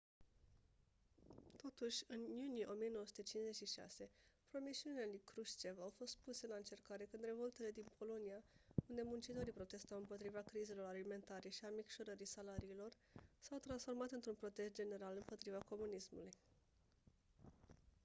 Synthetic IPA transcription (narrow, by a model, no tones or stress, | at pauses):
t̪o̞t̪uʃʲɨnjunijeʔo̞mije̞nowosu̥t̪et͡ʃinze̞t͡ʃʃiʃa̰se̞pɾo̞miʃiunielikɾuʃt͡ʃevawfo̞st̪̚puse̞nlaɨnt͡ʃe̞rkaɾe̞kɨnd̪ɾe̞vo̞lt̪e̞le̞d̪inpʰo̞lo̞niaund̪e̞munt͡ʃit̪o̞ɾijpɾo̞t̪e̞st̪awɨmpo̞t̪ɾivakɾize̞lo̞ɾalime̞nt̪aɾeʃiamikʃo̞ɾəɾisalaɾiːlo̞r | sawt̪ɾansfo̞rmat̪ɨnt̪ɾunpɾo̞t̪e̞st̪̚d͡ʒe̞ne̞ɾalɨmpo̞t̪ɾivako̞munismuluj